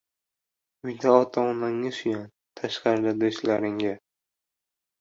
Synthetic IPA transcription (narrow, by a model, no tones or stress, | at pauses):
ʊjd̪aɒt̪ʰɒnaŋɪsʊjan | t̪ʰaʃqɑɾd̪ad̪oʃlaɾɪŋɡʲa